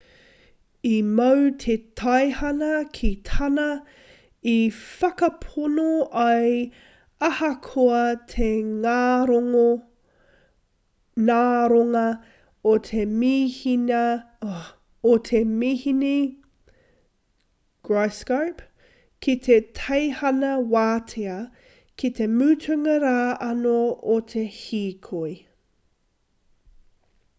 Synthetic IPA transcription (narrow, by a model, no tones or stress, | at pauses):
imɐwtʰetʰɐjhɐnɐkʰitʰɐnɐ | ifɐkɐpʰonoʔɐj | ɐhɐkʰoɐtʰeŋaːɾoŋo | naːɾoŋɐ | otʰemiːhinɐ | ot̪ʰemiːhini | ɡ̥ɹajskɐɹp | kʰit̪ʰetʰɐjhɐnɐwaːtʰeɐ | kʰit̪e̞mʉːtʰʉŋɐɾaːɐnoot̪ʰe̞hiːkʰoj